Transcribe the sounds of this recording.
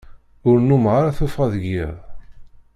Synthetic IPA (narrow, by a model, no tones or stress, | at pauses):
ʊɾnːumʁaɾaθufʁæðəɡːḭðˤ